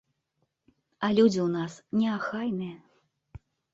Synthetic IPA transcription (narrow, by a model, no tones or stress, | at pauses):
ɐlʲud͡zʲiwnasnʲɛaxajnɨjɐ